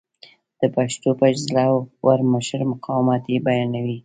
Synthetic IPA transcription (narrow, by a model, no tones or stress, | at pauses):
d̪̥əpaʃt̪opad͡ʒzlawwaɾməʃəɾmʊqʰɑwmɑt̪jebajɑnawi